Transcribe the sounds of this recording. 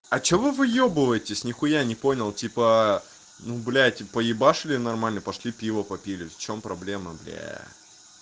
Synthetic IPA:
ɐt͡ɕevɨvɨjobɨvəjɪtʲɪsʲnʲɪxʊjanʲɪpo̞nʲɪlˠtʲipə | nublʲætʲpəjɪbaʂɨlʲɪnɐrmalʲnəpɐʂlʲipʲivəpɐpʲilʲɪft͡ɕompɾɐblʲeməblʲæ̰

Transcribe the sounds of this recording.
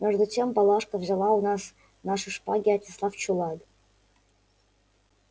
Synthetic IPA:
mʲeʐd̪utʲempɑlˠɑʂkəvzʲɪlˠɑunɑs | nɑʂɨʂpɑɡʲɪatʲɪslˠɑft͡ɕulˠɑd̪

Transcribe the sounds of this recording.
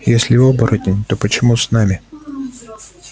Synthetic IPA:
jesʲlʲɪobəɾət̪ʲɪnʲt̪opət͡ɕɪmusnamʲɪ

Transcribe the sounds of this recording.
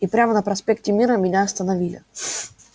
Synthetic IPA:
ipɾʲamənəpɾɐspʲek̚tʲɪmʲiɾəmʲɪnʲaɐst̪ənɐvʲilʲɪ̰

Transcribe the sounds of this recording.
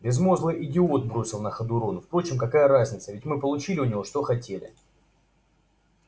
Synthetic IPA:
bʲɪzmo̞zlˠəʔɪdʲɪot̪̚bɾo̞sʲɪlˠnəxəd̪ʊɾo̞nʊfpɾo̞t͡ɕɪmkɐkajəɾazʲnʲɪt̪səvʲɪtʲmɨpəlˠʊt͡ɕilʲɪʊnʲɪvo̞ʂt̪o̞xɐtʲelʲɪ̰

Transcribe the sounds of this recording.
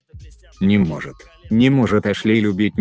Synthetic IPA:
nʲɪmɔʐɨt̪ | nʲɪmɔʐɨt̪ɐʂlʲilʲʊbʲitʲ

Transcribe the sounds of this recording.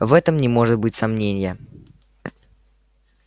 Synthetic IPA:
vɛt̪əmnʲɪmo̞ʐɨt̪̚bɨtʲsɐmnʲenʲɪjə

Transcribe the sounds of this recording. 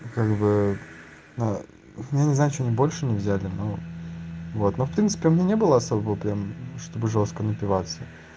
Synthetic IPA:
kaɡbɨ | na | janʲɪznaʊt͡ɕoɐnʲibo̞lʲʂɨnʲɪvzʲælʲɪno | vo̞t̪no̞fpɾʲint̪sɨ̥pʲɪʊmʲɪnʲenʲebɨlˠəɐso̞bəvəpɾʲamʂt̪o̞bɨʐo̞s̚kənəpʲɪvat̪sə

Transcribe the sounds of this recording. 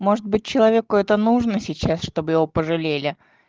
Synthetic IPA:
mo̞ʐɨt̪̚bɨt̚ʲt͡ɕːɪlˠɐvʲe̞kʊɛt̪ənuʐnəsʲɪt͡ɕasʂt̪o̞bɨjɪvo̞pəʐɨlʲelʲɪ

